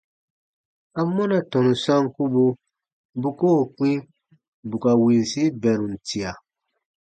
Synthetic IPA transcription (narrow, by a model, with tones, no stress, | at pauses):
a˦mɔ˦na˨tɔ̃˨nũ˨sã˦ŋku˦bu˦ | bu˦ko˦˨k͡pĩ˦ | bu˨ka˨wi˨n˨si˦bɛ˨ɾũ˨n̩˨tʰi˨a˨